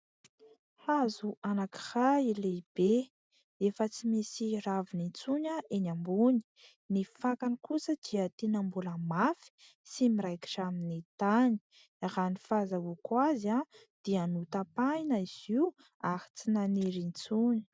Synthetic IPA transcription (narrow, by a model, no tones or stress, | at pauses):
azuʔanaki̥haileib̥e | efət͡simesiravinint͡suɲaʔenambuni̥ | nifakanikusəd̪iət̪enambuləmafi̥ | simiɾajki̥ʈ͡ʂaminit̪ani̥ | ɾanifazaukwaza | d̪̥ianut̪apajnaiz̥iu | ahi̥t͡sinaniɾint͡suɲi̥